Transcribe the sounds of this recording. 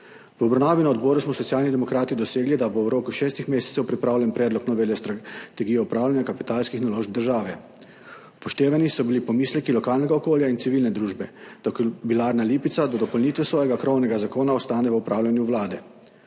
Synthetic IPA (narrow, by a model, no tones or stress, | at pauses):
ʋɔbɾawnaːʋinaɔd̪bɔːɾusmɔsɔt̪sjaːlnid̪ɛmɔkɾaːt̪id̪ɔseːɡlid̪abowɾoːkuʃɛːst̪ixmeːsɛ̥tsɛwpɾipɾaːwlʲjɛnpɾɛːd̪lɔknɔʋeljɔst̪ɾat̪ɛɡijɔupɾaːwlʲjanʲjakapit̪aːlskixnaloːʒb̚d̪əɾʒaːʋɛ | upɔʃt̪eːʋanisɔbilipɔmiːslɛkilɔkaːlnɛɡaɔkoːljainsiʋilnɛd̪ɾuːʒbɛd̪̥ɔkbilaːɾnaliːpit̪sad̪ɔd̪ɔpɔlnit̪ʋɛsʋɔːjɛɡakɾownɛɡazakoːnaɔst̪aːnɛʋəupɾʔaːwljanjuʋlaːd̪ɛ